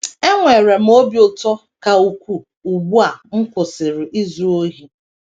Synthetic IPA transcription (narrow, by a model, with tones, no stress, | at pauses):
e˦ŋʷe˨ɾe˨m̩˦o˦bjo˦tɔ˦ | ka˨u˨kʷu˦ | u˨ɡ͡bu˦a˨ŋ̩˦kʊ˨sɪ˨ɾɪ˨ʔi˦zu˨o˦ɦi˦